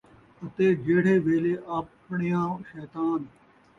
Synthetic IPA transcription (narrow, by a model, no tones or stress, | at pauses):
ɐt̪eːd͡ʒeːɽ̤eːʋeːleːʔɐp | ɳɪjãːʃeːt̪aːn